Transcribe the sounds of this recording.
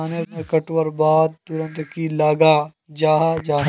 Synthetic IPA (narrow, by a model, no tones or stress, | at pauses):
aːneẽkɐʈwəɾbaːd̪̚t̪ʊɾə̃nt̪kilaːɡaː | d͡ʒaːɦad͡ʒaː